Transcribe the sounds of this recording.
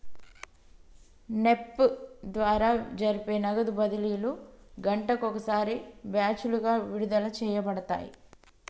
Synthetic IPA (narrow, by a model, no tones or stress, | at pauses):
ne̞pːd̪ʋaːɾaːd͡ʒɐɾipe̞ːnɐɡɐd̪ubɐd̪iliːluɡɐɳʈɐkɔkɐsaːɾibjaːt͡ʃuluɡaːʋiɾud̪ɐlɐt͡ʃɛːjɐpɐɽɐt̪a̰ːjḭ